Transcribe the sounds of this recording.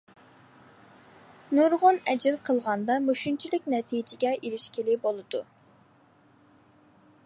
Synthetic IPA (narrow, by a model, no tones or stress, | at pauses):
nuɾʁʊnɛd͡ʒɪɾqʰəlˠʁɑnd̪ɑmoʃunt͡ʃʰilɪk̚ʲnɛt̪ʰid͡ʒɪɡʲɛʔilɪʃkʲilɪbolˠɨd̪u